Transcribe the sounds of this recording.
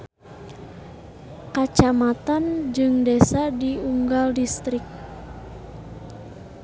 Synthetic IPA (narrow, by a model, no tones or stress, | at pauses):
kat͡ʃamat̪and͡ʒɨŋdesadiuŋɡaldist̪ɾɪk̚